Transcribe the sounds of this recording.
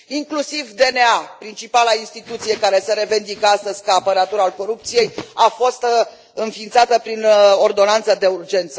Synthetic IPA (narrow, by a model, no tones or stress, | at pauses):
iŋklusivd̪e̞neapɾint͡ʃipalainst̪it̪ut̪sije̞kaɾe̞seɾe̞vend̪ikəast̪əzʲkaːpəɾat̪uɾalko̞ɾupt̪sije̞jafo̞st̪ | ɨnfint̪sat̪əpɾino̞rd̪o̞nant̪səd̪e̞urd͡ʒe̞nt̪sə